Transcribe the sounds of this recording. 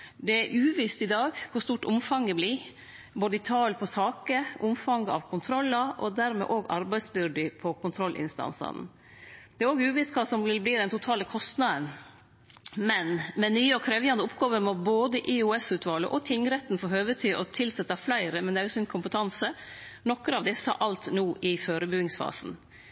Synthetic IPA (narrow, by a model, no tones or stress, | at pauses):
d̪ɛæɾʔʉːʋist̪ɪd̪ɑːɡkʰʊst̪uːʈʊmfɑŋɡəbliː | boːd̪əɪt̪ʰɑːlpʰɔsɑːkəʔʊmfɑŋɡəɑ̰ʋkʰʊnt̪ʰɾɔlːɑʔɔd̪æɾmɛ̰ʔoːɡɑ̰ɾbæɪsbʏɖɪpʰɔkʰʊnt̪ʰɾɔlːʔɪ̰nst̪ɑ̰nsɑ̰n | d̪̥ɛæɾoːɡəʉːʋiːst̪kʰɑsɔmɪbliːd̪ɛnt̪ʰʊt̪ʰɑːləkʰɔst̪nɑd̪ən | mɛnmɛnyːəɔkʰɾɛːʋjɑnd̪əʊpɡɑːʋəɾmɔboːd̪əʔɪuːɛsʉːt̪ʰʋɑːlə̰ʔɔt̪ʰɪŋːɾɛt̪ːnfoːɦøːʋət̪ʰɪʔɔt̪ʰɪlsɛt̪ːɑflæɪɾəmɛnd̪ɛæɾɔsɔmɪnkʰʊmpət̪ʰɑnsənɔkːəɾɑʋd̪ɛsɑ̰ʔɑlt̪nuːʔɪføːɾəbʉɡɪŋsfɑ̰ːsn̩